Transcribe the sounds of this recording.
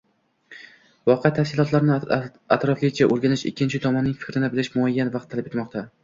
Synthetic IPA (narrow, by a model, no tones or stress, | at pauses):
vɒqʰet̪ʰafsʲɪlˠɒt̪laɾnɪ | at̪ɾɒflɪɡʲɪt͡ʃʰaʔoɾɡʲanɪʃɪ̰kʲʰːɪnt͡ʃʰɪt̪ʰɒmɒnːɪŋfɪ̥kʲɾɪnɪbɪlɪʃmʊajːanvɑqt̪ʰːalɪpet̪mɒqt̪ʰa